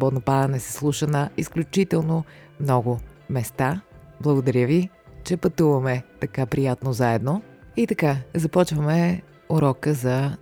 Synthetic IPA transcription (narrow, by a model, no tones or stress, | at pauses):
bɔd̪nopaɾɐnɛsɛ̥slˠuʃənəisklʲut͡ʃit̪ɛlˠno | mnɔɡʊmɛst̪a | blˠəɡod̪ɐɾʲjəvi | t͡ʃɛpɐt̪uvɐmɛt̪ɐkapɾijat̪nozaɛd̪noit̪ɐkazɐpɔt͡ʃvɐmɛ | oɾɔkəzɐ